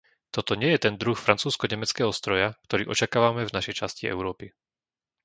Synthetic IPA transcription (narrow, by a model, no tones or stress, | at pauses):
t̪ɔt̪ɔɲɪɛjɛt̪ɛnd̪ɾuxfɾant͡suːskɔɲɛmɛt͡skɛːɦɔst̪ɾɔjakt̪ɔɾḭːʔɔt͡ʃakaːʋamɛvnaʃɛjt͡ʃasciɛ̰ʊɾɔːpi